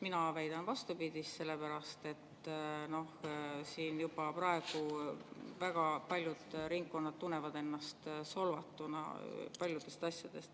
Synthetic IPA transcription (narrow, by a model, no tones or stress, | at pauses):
minɑvæjd̪̥ɑnvɑst̪upid̪̥ʲist̪se̞lːepæɾɑst̪e̞t̪ːno̞hsiːnjub̥ɑpɾɑe̞ɡ̥u | væɡ̥ɑpɑlʲjud̪̥ɾiŋɡ̥̚kːo̞nːɑd̪̥̚t̪ːunːe̞vɑd̪e̞nːɑst̪so̞lvɑt̪ːˑunɑ̰pɑlʲjud̪̥e̞st̪ɑsʲjɑd̪̥e̞st̪